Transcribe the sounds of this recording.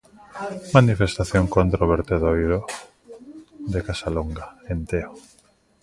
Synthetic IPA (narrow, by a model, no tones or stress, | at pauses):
manifest̪aθjoŋkont̪ɾoβeɾt̪eðojɾo | ðekasaloŋɡaent̪eo